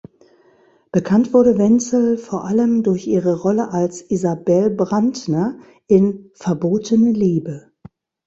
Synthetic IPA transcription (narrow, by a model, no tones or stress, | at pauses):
b̥əkʰantv̥ʊɐɾəvɛnt͡sl̩foːɐʔaləmdʊɐçʔiːʁəʁɔləʔalsʔizabɛlbʁandnɐ | ʔɪnfɛɐboːtʰənəliːbə